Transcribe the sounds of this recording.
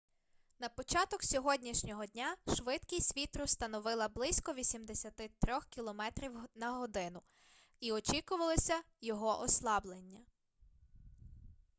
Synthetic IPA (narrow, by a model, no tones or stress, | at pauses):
nɐpɔt͡ʃɑt̪ɔksʲɔɦɔdʲnʲiʃnʲɔɦɔdʲnʲaʃʋɪd̪kisʲʋʲit̪ɾʊst̪ɐnɔʋɪlˠɐblˠɪsʲkɔʋʲisʲimd̪esʲɐt̪ɪt̪ɾʲɔxkʲilˠɔmɛt̪ɾʲiwnɐɦɔd̪ɪn̪ʊ | iɔt͡ʃikʊʋɐlˠɔsʲɐ | jɔɦɔʔɔslˠɑblˠenʲːɐ